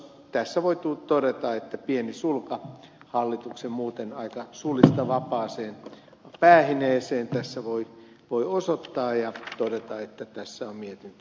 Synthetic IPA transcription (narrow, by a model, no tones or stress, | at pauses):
t̪æsːæʋoit̪ut̪odet̪ɑet̪ːæpienisulkɑ | hɑlːit̪uksemmuːt̪enɑikɑsulist̪ɑʋɑpɑːseːn | pæːhineːseːnt̪æsːæʋoi | ʋoiosot̪ːɑːjɑt̪odet̪ɑet̪ːæt̪æsːæommiet̪int̪y